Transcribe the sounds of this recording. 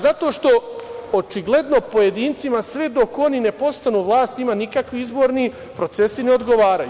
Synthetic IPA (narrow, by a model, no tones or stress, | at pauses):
zat̪o̞ːʃt̪o̞ot͡ʃiɡlˠe̞d̪no̞po̞je̞d̪iːnt̪simasʋed̪o̞ko̞nine̞po̞st̪anuʋlˠaːst̪nimanikakʋiizbo̞ːɾni | pɾo̞t̪se̞sine̞o̞d̪ɡo̞ʋaːɾaju